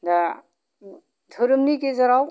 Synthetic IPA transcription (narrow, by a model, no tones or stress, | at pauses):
da | tʰuɾɯmnikezaɾaw